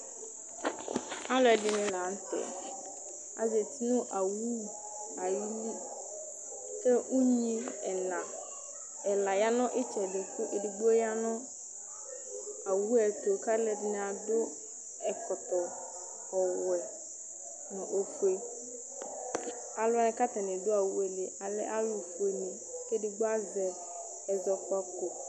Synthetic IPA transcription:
a˦lʊ˨ɛ˨dɪ˨nɪ̃˦la˨˦n̩˦tʰɛ̰˨ | a̰˨ze˨tʰi˦nʊ̃˦ʔa˨wu˦ | a˨ji˦li˦ | sɛ˦ũ˦ɲĩ˦ɛ˨nã˨ | ɛ˨la˨ja˦nʊ̃˦ʔɪ˦t͡ʃʰɛ˨dɪ˨kʊ˦ʔe˨di˨bu˦o˦ja˦nʊ̃˦ | a˨wu˦ɛ˨ko˨ka˦lɛ˨dɪ˦n˨a˨dʊ˦ | ɛ˨kɔ˨t̪ɔ˨ | ɔ˨wɛ˨ | nʊ̃˨ʔo˨fu˨e˨ | a˨lʊ˦a˦nɪ˨ka˦ta˨nɪ˨dʊ˦a˨wu˦e˨le˨a˨lɪ̰˦ʔa˦lʊ˨fu˨e˨nɪ̃˨ | e˦dɪ˨ɡ͡bʊ˦a˦zɛ˨ | ɛ˨zɔ˨ka˦ko˨

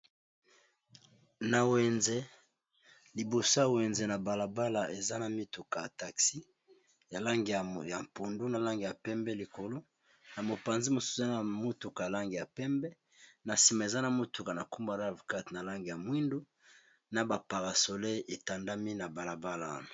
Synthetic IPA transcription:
na˨wɛ˨nze˦ | li˨bo˨sa˦˨wɛ˨nze˨na˨ba˨la˨ba˦la˨e˨za˦na˨mi˦tu˨ka˨ja˨ta˨ksi˦ | ja˨la˦ŋɡi˨ja˨ja˨m˨pu˨ndu˦na˨la˦ŋɡi˨ja˨pɛ˦mbɛ˦li˨ko˨lo˦ | na˨mo˨pa˨nzi˦mo˨su̥˦e˨˦za˦na˨mo˦tu˨ka˨a˨la˦ŋɡi˨ja˨pɛ˦mbɛ˦ | na˨si˨ma˨e˨za˦na˨mo˦tu˨ka˨na˨ku˦mba˦˨la˦˨vo˨ka˦tna˨la˦ŋɡi˨ja˨mwi˦ndo˦ | na˨ba˨pa˨ʁa˨so˨le˦e˨ta˨nda˦mi˦na˨ba˨la˨ba˦la̰˨na˨

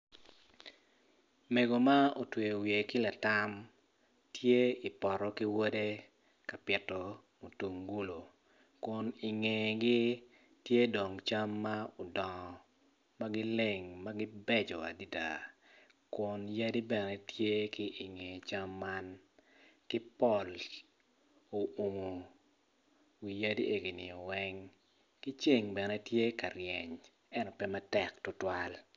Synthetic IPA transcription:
me˨ɡo˨ma˦o˨twe˨wje˨kɪ˦la˨ta˦m | tje˦i˨pɔ˨ɾɔ˨ki˦wo˦de˦ | ka˨pɪ˨tɔ˨ | mo˨tu˨ŋɡu˦lo˨ | kʊ˨nɪ˨ŋe˨ɡɪ˦ | tje˦do˨ŋt͡ʃa˦mːa˦o˨dɔ˨ŋɔ˨ | ma˦ɡɪ˦le˨ŋma˦ɡɪ˦bɛ˦d͡ʒɔ˨a̰˨di˦da̰˨ | kʊ˨nja˦di˦bɛ˨nɛ˦tje˦kɪ˦ʔi˨ŋe˨t͡ʃa˦mːa˦n | kɪ˦pɔ˦˨l | o˨o˨ŋo˨ | wi˨ja˦di˦ʔe˨ɡi˨nɪ˨ɔ˨wɛ˦ŋ | kɪ˦t͡ʃi˦˨ŋbɛ˨nɛ˦tje˦ka˨ɾjɛ˨ɲ | ɛ˦nɔ˨pɛ˦ma˦tɛ˨ktʊ˦twa˦l

